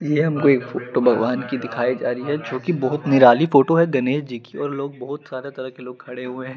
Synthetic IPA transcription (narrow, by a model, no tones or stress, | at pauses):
jeɦɐmkoeːkfoːʈobʱɐɡʋaːnkid̪ɪkʰaːid͡ʒaːɾiɦɛt͡ʃõːkibɔɦʊt̪nɪɾaːlifoːʈoɦɛɡɐneːʃd͡ʒikiɔːɾloːɡ̚bɐɦʊt̪saːɾet̪ɐɾəɦkeloːɡ̚kʰɐɽeɦuẽɦɛ̃ː